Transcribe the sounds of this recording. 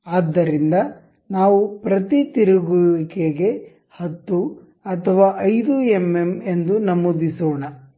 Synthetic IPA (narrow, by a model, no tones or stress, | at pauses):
aːd̪ːɐɾind̪ɐ | naːʋupɾɐt̪it̪iɾuɡuikeɡe̞ | hɐt̪ːu | ɐt̪ʰɐʋaːʔɐjd̪uemːeme̞nd̪unɐmod̪isoːɳɐ